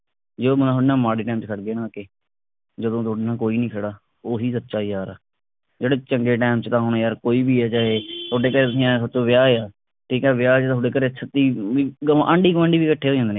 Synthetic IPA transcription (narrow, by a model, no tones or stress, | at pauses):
d͡ʒeoːmnaːɦnãːmaːɽiːʈãːmt͡ʃkʰəʈɡeːnãːkeː | d͡ʒəd̪õːt̪ʰoːɽeːnãːkoːiːnĩːkʰəɽaː | oːɦiːsətːʃaːiaːɾaː | d͡ʒeːɽeːt͡ʃəŋɡeːʈaːmt͡ʃt̪ãːɦoːnaːjaːɾkoːiːbiːɛːd͡ʒaːɦeːt̪ʰoːɖeːkəɾeːt̪ʊsĩːãːsət͡ʃõːʋɪjaːeːaː | ʈʰiːkɛːʋɪjaːoːɖeːkəɾeːt͡ʃʰət̪ːiːiːɡãʔəɳɖiːɡəmə̃ɳɖiːʋiːkəʈʰːeːɦoːd͡ʒãːnd̪eneː